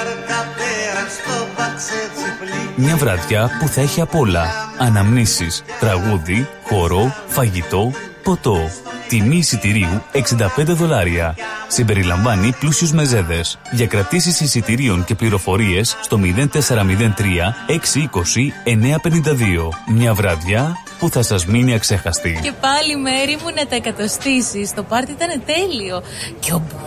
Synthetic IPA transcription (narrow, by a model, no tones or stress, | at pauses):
mɲɐvɾɐðʝɐpuθɐeçiɐpo̞lɐɐnɐmnisist̪ɾɐɣuði | xo̞ɾo̞fɐʝit̪o̞ | po̞t̪o̞t̪imiːsit̪iɾiue̞ksind̪ɐpe̞nd̪eðo̞lɐɾiɐsimbe̞ɾilɐɱvɐniplusiuzme̞ze̞ðe̞sʝɐkɾɐt̪isisisit̪iɾio̞ɲce̞pliɾo̞fo̞ɾie̞sːt̪o̞miðe̞nt̪e̞se̞ɾɐmiðe̞nt̪ɾiɐe̞ksiiko̞sie̞ne̞ɐpe̞nind̪ɐðio̞mɲɐvɾɐðʝɐ | puθɐsɐzminiɐkse̞xɐst̪ice̞pɐlime̞ɾimunɐt̪ɐekɐt̪ɐst̪isist̪o̞pɐɾt̪iit̪ɐne̞t̪e̞lio̞ | cobo